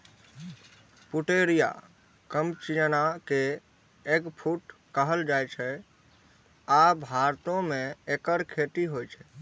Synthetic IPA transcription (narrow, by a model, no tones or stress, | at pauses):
puʈeɾija̰ | kəmt͡ʃijənake | eɡpʰuʈ | kəɦəld͡ʒajt͡ʃʰɛ | abʱaɾt̪õmẽekəɾkʰet̪iɦojt͡ʃʰɛ